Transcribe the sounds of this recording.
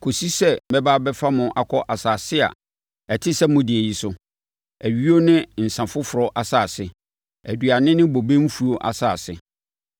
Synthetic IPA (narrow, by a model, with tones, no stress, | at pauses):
kʰo˨si˦sɛ˦bɛ˦baː˦bɛ˦fa˦mʊ̃˨ʔa˨kʰɔ˦ʔa˨saː˨sɪ˦a̰˨ | ɛ˨tʰɪ˦sɛ˦mʊ̃˦dɪ˨æ˨ji˨sʊ˦ | æ˨ɥi˦o˦nɪ̃˦n̩˨sã˨fʊ˦fʊ˨ɾɔ˦ʔa˨saː˨sɪ˨ | æ˨dɥa˨nɪ̃˦nɪ̃˦bo˨be˦m̩˦fu˨˦o˦ʔa̰˨saː˨sɪ̰˨